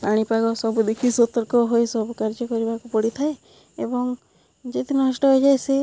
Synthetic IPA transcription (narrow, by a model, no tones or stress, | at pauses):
paɽ̃ipaɡɔsɔbud̪ekʰisɔt̪ɔɾkɔɦojsɔbukaɾd͡ʒɔkɔɾibakupɔɽit̪ʰae | ebɔŋ | d͡ʒet̪inɔɦɔsʈɔɦojd͡ʒajsi